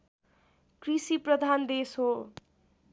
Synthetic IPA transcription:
krisiprʌd̪ʱand̪esɦo

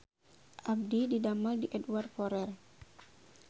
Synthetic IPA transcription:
ʔab̚dididamaldiʔɛdwar̚fɔɾɛr

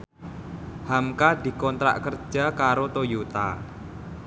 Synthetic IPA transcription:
hamkad̪i̤kɔnt̪ɾa̰ʔkər̥d͡ʒ̥a̤kaɾot̪ojut̪a̰

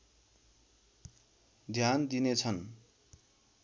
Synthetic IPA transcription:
d̪ʱjand̪inet͡sʰʌn

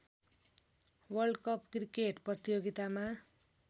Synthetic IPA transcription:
wʌrɖkʌpkrikeʈprʌt̪ijoɡit̪ama

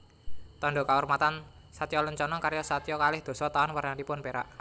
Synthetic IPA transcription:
t̪ɔɳɖɔkaurmat̪an | sat̪ijɔləɲt͡ʃɔnɔkaɾjɔsat̪ijɔkalɪhd̪̥o̤sɔt̪aɔnwarnaɾipʊnpeɾa̰ʔ

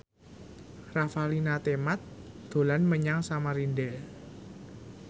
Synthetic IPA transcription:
rafalinat̪emat̪̚d̪̥o̤lanməɲaŋsamaɾindɛl

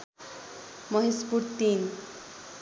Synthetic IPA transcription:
mʌɦispuɾt̪in

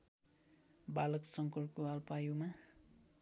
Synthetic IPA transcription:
balʌksʌŋkʌrkoalpajuma

